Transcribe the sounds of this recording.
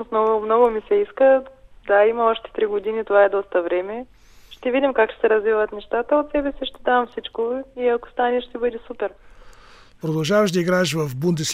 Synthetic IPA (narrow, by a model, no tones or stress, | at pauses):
smnɔɡʊmnɔɡʊmisɛiskəd̪aimɐɔʃt̪ɛ̥t̪ɾiɡod̪init̪ovaɛd̪ɔst̪əvɾɛmɛ | ʃt̪ɛvid̪ʲimkakʃt̪ɛ̥sɛɾɐzvivət̪nɛʃt̪at̪əot̪sɛbɛsiʃt̪ɛd̪avɐmfsit͡ʃkoiɐko̥st̪anɛʃt̪ɛbɤd̪ʲɛsupɛɾ | pɾod̪ɐlˠʒavəʃd̪ɐiɡɾaʃvɐfbund̪ɛs